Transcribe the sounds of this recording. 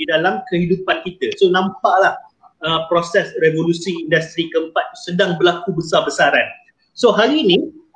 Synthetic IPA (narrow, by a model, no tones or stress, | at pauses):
didalamkəhidupankit̪əsonãmpaʔlah | əpɾosɛsrevolusiːndast̪ɾikəmpat̪̚sədaŋbəlakubəsabəsaɾan | soɦaɾinĩ